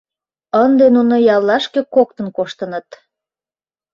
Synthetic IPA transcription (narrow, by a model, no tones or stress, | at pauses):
ənd̪enunojɑlːɑʃkekok̚t̪ə̆nkoʃt̪ənət̪